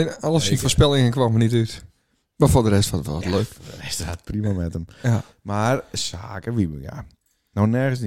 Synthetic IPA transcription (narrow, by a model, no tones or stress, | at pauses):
nɔlˠəsinfoɹspɛlˠɪŋənkwɔmənityt | mafoːdəɾɛstɔɔtløːkfdərɛstat̚primamɛtəm | marsaːkəʋiməɡa̰ | nownɛrɣəns